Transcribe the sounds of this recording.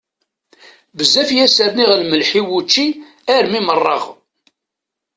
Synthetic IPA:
bəzːæfjæsəɾniʁlməlħiwut͡ʃːi | æɾmimərˤːɑ̰ʁ

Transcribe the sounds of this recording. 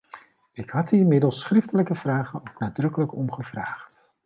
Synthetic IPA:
ɪkɦɑtdiɪnmɪdəlˠsχrɪftələkəv̥raːχənowknaːdrɵkələkɔmχəvraːχt

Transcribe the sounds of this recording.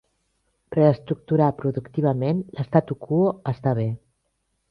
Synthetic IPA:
pəɾəst̪ɾuk̚t̪uɾapɾuðukt̪iβ̞əmenləst̪at̪ukʰuoəst̪aβ̞e

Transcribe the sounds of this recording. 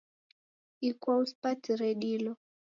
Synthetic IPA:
ikwauspatiɾɛɗilɔ

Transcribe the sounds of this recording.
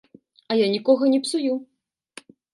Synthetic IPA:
ɐjanʲikɔɣɐnʲɛpsuju

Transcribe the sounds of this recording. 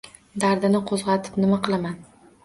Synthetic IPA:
d̪aɾd̪ɪnɪqʰozʁɑt̪ʰɪ̥pnɪmaqɨlˠaman

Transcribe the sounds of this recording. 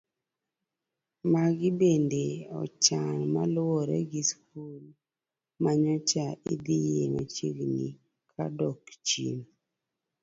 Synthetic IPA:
maɡɪbendeɔ̰t͡ʃanmalwɔɾḛɡiskul | maɲɔt͡ʃaid̪ijeŋat͡ʃiɡnḭ | kʰa̰dɔkt͡ʃḭn

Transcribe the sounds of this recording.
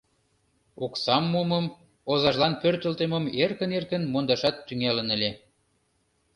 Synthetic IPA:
oksɑmːuməm | ozɑʒlɑnpørt̪ə̆lt̪əməmerkə̆nerkə̆nmond̪ɑʃɑt̪ːyŋælənə̆lʲe

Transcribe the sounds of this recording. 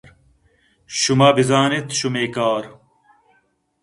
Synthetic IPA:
ɾ | ɕumaːbizaːnit̪ɕumeːkaːɾ

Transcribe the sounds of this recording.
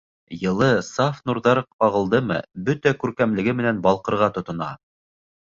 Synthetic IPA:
jɤ̆lˠɤsɑfnuɾðɑɾɤqɑʁɤ̆lˠd̪ɤmɤ̰bɵt̪ækʉɾkæmlɘ̆ɡɘmɘ̆nænbɑlˠqɤ̆ɾʁɑt̪ŏt̪ŏnɑ̰

